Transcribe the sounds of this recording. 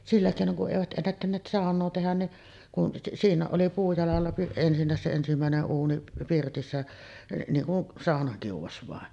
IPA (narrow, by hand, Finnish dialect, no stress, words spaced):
silːæ keˑinoŋ kuʔ ʔeˑiʋæt ʔenːætːænːeːt sɑˑonˑoː tehæn niʔ siːnˑæːʔ ʔoli puːjɑlɑlːɑ ensinːæˑes se ensimæˑeneʔ ʔuːni pirtisːæ niːŋ kun sɑˑonɑkiuʋɑs ʋɑˑen